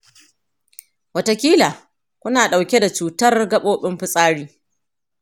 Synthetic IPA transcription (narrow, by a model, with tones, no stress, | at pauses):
wɐ˦ta˦kʲiː˦laː˨ | kʷʊ˦naː˨ɗa˨wkʲe˦da˨t͡ʃuː˨tɐ˦rɡɐ˦ɓoː˦ɓɪ˦mɸɪ˦sʼaː˦ɽiː˦